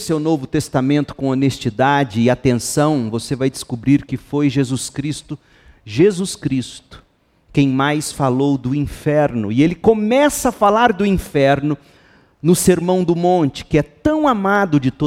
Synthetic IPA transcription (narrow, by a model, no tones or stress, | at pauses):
sewnovʊt̪est̪amẽnt̪ʊ̥kõonest͡ʃid̪ad͡ʒɪɪat̪ẽsɐ̃w̃vosevajd͡ʒ̪ɪskubɾiɾkɪfojʒezuskɾist̪ʊ | ʒezuskɾist̪ʊ̥ | kẽj̃majsfalowd̪ʊĩfɛɾnʊɪelɪkomɛsɐafalaɾd̪ʊĩfɛɾnʊ | nʊseɾmɐ̃w̃d̪ʊmõnt͡ʃɪ̥kɪɛt̪ɐ̃w̃amad̪ʊd͡ʒɪt̪o